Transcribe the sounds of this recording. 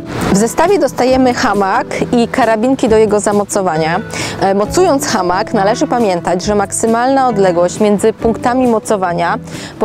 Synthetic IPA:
vzɛst̪avʲjɛd̪ɔst̪ajɛmɘxamakikaɾabʲiŋkʲid̪ɔjɛɡɔzamɔt̪sɔvaɲamɔt̪sujɔnt̪sxamaknalɛʐɘpamʲjɛnt̪ad͡ʑʐɛmaksɘmalnaɔd̪lɛɡwɔɕt͡ɕmʲjɛnd̪zɘpuŋkt̪amʲimɔt̪sɔvaɲa | b

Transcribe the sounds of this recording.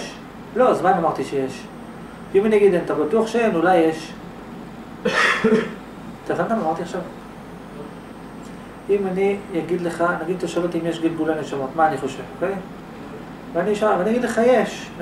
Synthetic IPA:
ʃ | lo̞zmanamaʁt̪iʃejeʃ | vimanijaɡid̪enat̪abat̪uaχʃeenulajːeʃ | t̪avankamamaʁt̪iaχʃav | imanijaɡid̪leχanaɡid̪̚t̪aʃavet̪imjeʃɡilɡulaneʃamot̪maːniχo̞ʃevokej | veaniʃvaniaɡid̪le̞χajeʃ

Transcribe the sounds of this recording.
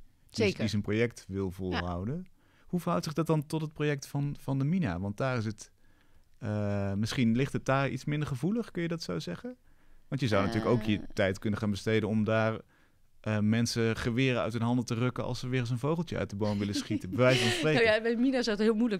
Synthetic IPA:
diizənprojɛk̚tʋɪlˠvɔlˠɦawdə | huvəɹɦʌwtsɪχdɑt̚dɑntɔtɦət̚projɛk̚tfɑnvɑndəmina̰ʋɑnt̚daːrɪs̬ət | əmɪsχinlɪχtət̚daːrḭtsmɪndəɹχəvuləχkɵnjədɑtsowzɛχənʋɑntjəzawnatyːləkowkjətɛjtkɵnəχaːnbəstejdənɔmdaːɹ | ʔəmɛnsəχəʋɪːɾəœ̰ɥtɦənɦɑndətərɵkənɑ̰lˠsəʋɪːχəns̬ɦənvowχlˠtjəœ̰ɥtdəbowmʋɪləsχitəbəʋɛjsfrejbɛminazɔwtɦɪːlˠmulə

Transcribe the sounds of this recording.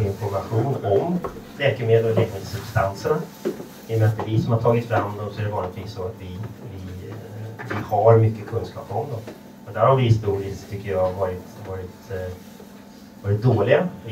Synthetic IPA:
ɪnfɔɾmaɧuːnɔmlɛːkəmeːd̪əlɔlɛːkmeːd̪sɵb̥st̪ansəɳa | ɛjəmɛnat̪̚ːɛvɪsɔmhaʈʰɑːɡɪt̪sfɾamːd̪ɔmsɔæɖɛvɑːlɪt̪viːsːɔat̪vɪvɪ | vɪhaɾmʏkːəkʰɵnskɑːpɔmd̪ɔm | ɔd̪æɾhaɾvɪɪst̪uːɾɪst̪ʰʏkːəjɑɡvɑːɾɪt̪vɑːɾɪt̪ | vɑːɾɪt̪̚d̪oːlɪɡa

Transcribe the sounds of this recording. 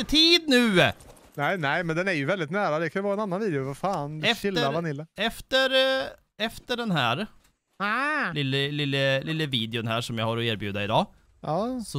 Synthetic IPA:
ət̪ʰiːd̪nʉ̟ː | næɪnæɪmɛnd̪ɛnæɾjɵvɛld̪ɪt̪næːɾad̪ɛkʰanjʉvɑːɾaɛnanːanviːd̪jʊvafaːnɛfɪləavanɪlːəɛft̪əɾ | ɛft̪əɖɛnɦæːɾ | lɪlːəlɪlːəlʔɪlːəviːd̪ɪʊnɦæːʂɔmjahaɾɔeːɾbjʉ̟ːd̪aɪd̪ɑː | ɑːsɔ

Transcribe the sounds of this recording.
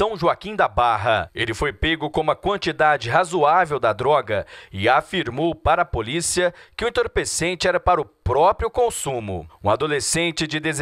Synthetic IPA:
ɐ̃w̃ʒuakĩd̪abaɦɐelɪfojpeɡʊkõũmɐkwɐ̃nt͡ʃid̪ad͡ʒɪɦazuavewd̪ɐd̪ɾɔɡɐɪafiɾmowpaɾɐːpolisiɐkɪʊ̃ũẽnt̪oɾpesẽnt͡ʃɪɛɾɐpaɾʊpɾɔpɾiʊkõsũmʊ̰ũad̪olesẽnt͡ʃɪd͡ʒɪd̪ez

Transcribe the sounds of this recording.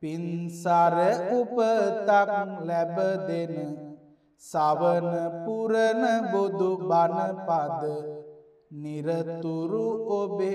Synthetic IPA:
pinsaɾeupət̪aklɛbəd̪enə | saʋənəpuɾənəbod̪ubanəpad̪ə | niɾət̪uɾuobe

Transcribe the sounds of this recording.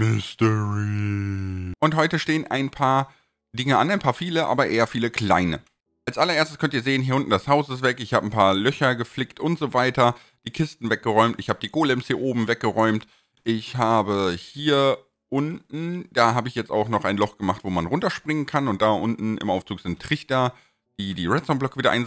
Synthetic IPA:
mɪstɛʁi | ʔʊnthɔʏtəʃteːənʔa̰ɪnpʰaːɐ | dɪŋəʔanaɪnpʰaːɐfiːləʔa̰ːbɐʔeːɐfiːləkʰl̥a̰ɪnə̰ | ʔalsʔalɐʔeːɐstəskʰœntiːɐzeːənɦiːʊntn̩dashaʊsɪstv̥ɛkɪçhaːbənpʰaːɐlœçɐɡəflɪktʔʊntz̥oːvaɪtɐ | d̥iːkʰɪstn̩vɛk̚ɡ̥əʁɔʏmtɪçhaːbədiːɡoːlɛmshiːɐʔoːbm̩vɛk̚ɡ̥əʁɔʏmt | ʔɪçhaːbəhiːɐ | ʔʊntn̩d̥aːɦaːbəɪçjɛt͡sta̰ʊxχnɔχaɪnlɔχɡ̥əmaχtv̥oːmanʁʊntɐʃpʁ̥ɪŋənkʰanʊnt̚d̥aːʔʊntn̩ɪ̰mʔaʊft͡suːkz̥ɪntʰːʁ̥ɪçtɐ | d̥iːdiːʁɛtt͡sɔmblœkəviːdɐʔaɪn

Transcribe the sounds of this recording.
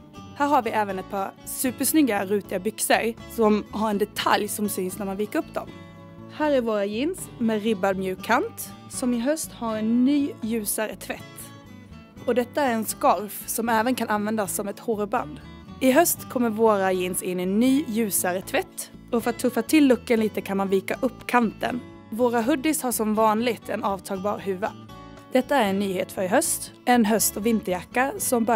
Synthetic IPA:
hæːɾhaɾvɪʔæːvənɛt̪̚pʰɑɾ | sʉ̟ːpəʂnʏɡːaɾʉ̟ːt̪ɪabʏksəɾsɔmhaɾɛnd̪ɛt̪ʰa̰ljsɔmsyːnsnæɾmanviːkəɾɵpːd̪ɔ̰m | hæːɾæɾvoːɾajɪnsmɛːɾɪbad̪mjʉ̟ːkʰːant̪ | sɔmɪɦœst̪haɾɛnːyːjʉ̟ːsaɾə̰t̪ʰvɛt̪ː | ɔd̪ɛt̪ːaæɾɛnskɑɾfsɔmɛːvənkʰananvɛnd̪asːɔmɛt̪hoːɾəba̰nd̪ | ɪɦœst̪kʰɔmːəɾvoːɾajeːnsɪnːɛnːyːjʉ̟ːsaɾət̪ʰvɛt̪ː | ɔfœɾat̪ʰːɵfat̪ʰɪlːɵkːənliːt̪əkʰanmanviːkaʔɵpːkʰant̪ə̰n | voːɾaɦɵd̪ːɪshaʂɔmvɑːnlɪɡt̪ʰɛnɑːvt̪ʰɑːɡ̚bɑ̰ːɾɦʉ̟ːva | d̪̥ɛt̪ːaæɾɛnːyːheːt̪fœɾɪɦœst̪ | ɛnɦœst̪ɔvɪnt̪əɾjakːasɔmbœ

